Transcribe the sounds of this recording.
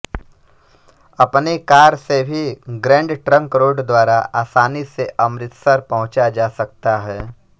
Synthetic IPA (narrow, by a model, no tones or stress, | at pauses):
ɐpnekaːɾsebʱiɡɾɛ̃ːɳɖʈɾə̃ŋkɾoːɖd̪waːɾaʔaːsaːniseʔɐmɾɪt̪səɾpɐɦʊ̃t͡ʃad͡ʒaːsɐk̚t̪aɦɛː